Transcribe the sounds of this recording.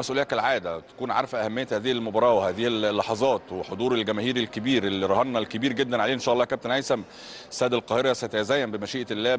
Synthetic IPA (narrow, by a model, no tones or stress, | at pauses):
mæsʔulejːækælʕaːd̪æt̪æ̥kuːnʕɑ̰ɾˤfæʔæhæmːejːæt̪hæːðihælmobɑːɾˤɑːwehæːðihlːɑħɑzˤɑːt̪weħod̪ˤuːɾelɡæmæːhiːɾelkebiːɾʔelːiɾˤɑhɑnːælkebiːɾɡed̪ːænʕaleːʔenʃæːʔlːɑːkæb̚t̪enʕæjsæm | sːæːd̪ælqɑːheɾˤæsæt̪æzæːjːæmbemæʃiːʔlːæː